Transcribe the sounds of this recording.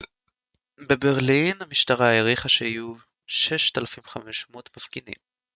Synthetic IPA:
be̞beʁlinamiʃtaʁajeʁiχaʃeiju | ʃeʃt̪alafimχameʃmot̪mafkinḭm

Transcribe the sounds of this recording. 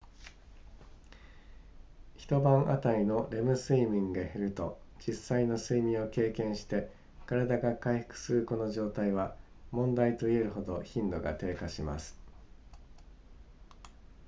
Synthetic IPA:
çi̥t̪o̞bãɰ̃ʔat̪aino̞ɾe̞mɯ̟sɨimʲĩŋɡaheɾɯ̟t̪o̞̰ | d͡ʑisːaino̞sɨimʲĩɰ̃o̞ke̞ːkẽ̞ɰ̃ɕi̥t̪e̞ | kaɾad̪aɡakaihɯ̥kɯ̟̥sɨɾɯ̟ko̞no̞ʑo̞ːt̪aiβ̞a | mõ̞nd̪ait̪o̞ie̞ɾɯ̟ɦo̞d̪o̞çĩnd̪o̞ɡa̰t̪e̞ːkaɕima̰sɨ̥

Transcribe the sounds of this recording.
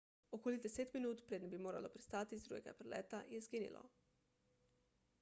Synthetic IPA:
okoːlid̪ɛseːt̪minuːt̪pɾeːd̪nɛbimoːɾa̰lopɾist̪aːt̪izd̪ɾṵːɡɛɡa̰pɾɛlɛ̰ːt̪ajɛzɡiːnḭlʔɔ̰

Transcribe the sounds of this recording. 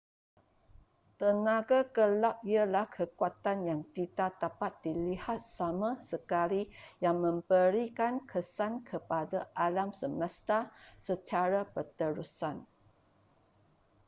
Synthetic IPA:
t̪ənãɡakəlap̚ialahkʰəkuat̪anjaŋtit̪ad̪apat̪̚dilihat̪̚samãsəkalijaŋmə̃mbəɾikankʰəsankʰəpadaʔalamsəmə̃st̪asət͡ʃaɾapət̪əɾusan

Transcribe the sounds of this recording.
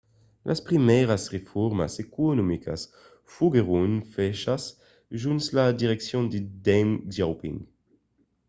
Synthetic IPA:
lʔa̰spʁimɛʁasʁefɔɾma̰sekonomikʰa̰s | fuɡeʁunfɛʃas | ʒunslad̪iʁeksjõnd̪id̪ɛmʒawpḭŋ

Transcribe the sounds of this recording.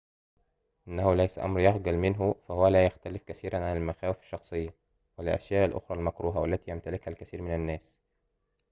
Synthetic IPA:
ʔɪnːæhʊlæjsæʔɑ̰mɾjɑhɡælmɪnɦʊfæhʊwælæːjaxt̪ælɪfkæθiːɾænʕanælmæxæːwɪfɪ̥ʃːɑxsˤɨjːɑ | wɪlɪlʔæ̰ʃjæːʔælʔo̰xɾˤɑːlmækɾuːɦawælːæt̪iːjæmt̪ælɪkhælkæθiːɾmɪnænːæːs

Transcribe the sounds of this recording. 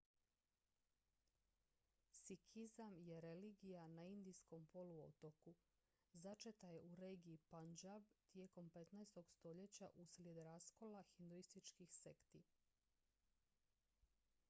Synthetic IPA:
sikʰizamje̞ɾe̞liːɡijanaind̪ijsko̞mpo̞luo̰t̪o̞ku | zat͡ʃet̪ajeʔuɾeːɡiːpand͡ʒabt̪je̞ːko̞mpe̞t̪naest̪o̞ɡst̪o̞ʎe̞t͡ɕa̰ʔuslʲjed̪ɾasko̞laxind̪uist̪it͡ʃkixse̞kt̪i

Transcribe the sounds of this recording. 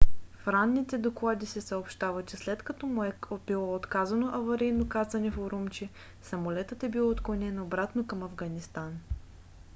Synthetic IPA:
fɾanːit̪ɛd̪oklˠad̪isɛsəopʃt̪avət͡ʃɛslɛt̪kɐt̪ɔmuɛbilˠɔot̪kazɐnoʔɐvɐɾijnokazɐnɛfoɾumt͡ʃɛ | sɐmolɛt̪ət̪ɛbilˠot̪klˠonʲɛnobɾat̪nokɐmɐvɡɐnist̪an

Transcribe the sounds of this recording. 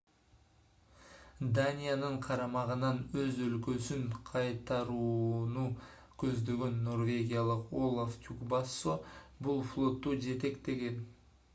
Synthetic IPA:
d̪anʲijanɯɴqʰɑɾɑmɑʁənɑnøzølkøsyŋqʰɑjt̪ɑɾuːnu | kʲʰɵzd̪ø̞ɡønːo̞rvʲe̞ɡʲijalˠəqo̞lˠaft̪ʲukbɑsobulˠflˠo̞t̪ːud͡ʒe̞t̪e̞kt̪e̞ɡe̞n

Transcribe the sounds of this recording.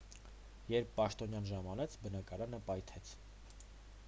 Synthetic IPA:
jɛɾpʰːɑʃt̪ɔnjɑnʒɑmɑnɛt͡sʰbənɑkɑɾɑnəpɑjt̪ʰɛt͡sʰ

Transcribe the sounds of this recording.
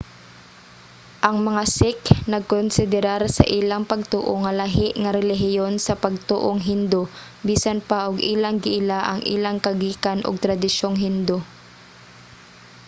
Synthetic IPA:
ʔɐŋmɐŋasɪknɐɡ̚konsɪd̪ɛɾaɾsɐ̰ʔilaŋpɐɡ̚t̪ṵːʔoŋɐlaɦɪʔŋɐɾɛlɪɦɪjonsɐpɐɡ̚t̪ṵːʔoŋɦɪnd̪o | biːsanpaʔʊɡʔiːlaŋɡɪʔɪlaʔɐ̰ŋʔḭlaŋkɐɡiːkanʔʊ̰ɡ̚t̪ɾɐd̪ɪʃoŋɦɪnd̪o

